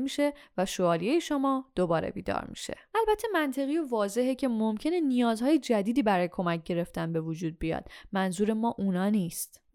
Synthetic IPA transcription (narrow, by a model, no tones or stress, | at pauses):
miːʃe̞væʃoɒːlijejeʃomɒːd̪̥obɒːɾḛbḭːd̪ɒ̰ːɾmḭʃe̞̰ælbæt̪ʰːe̞mænt̪ʰe̞ɣijovɒːze̞ɦecʰe̞momcʰe̞ne̞nijɒːzhɒːjed͡ʒæd̪iːd̪iːbæɾɒːjekʰo̞mæc̚ʰɟe̞ɾe̞ft̪ænbe̞vod͡ʒuːd̪̚bijɒ̰ːd̪̥mænzuːɾe̞mɒːʔunɒːniːst̪